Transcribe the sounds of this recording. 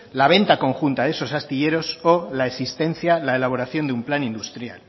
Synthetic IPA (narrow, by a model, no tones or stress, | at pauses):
laβ̞e̞nt̪ako̞ŋxunt̪aðeso̞sast̪iʝe̞ɾo̞solaesist̪e̞n̟θjalaelaβ̞o̞ɾaθjo̞nd̪eumplanind̪ust̪ɾja̰l